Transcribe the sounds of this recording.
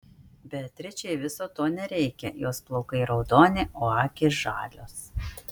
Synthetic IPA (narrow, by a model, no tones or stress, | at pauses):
bʲɛt̪ʲɾʲɪt͡ʃʲɛɪʋʲɪsoːt̪oːnʲɛɾʲɛɪkʲɛjoːsplˠɒʊkɐɪɾɒʊd̪oːnʲɪʔoːɑːkʲɪʒɑ̰ːlʲoːs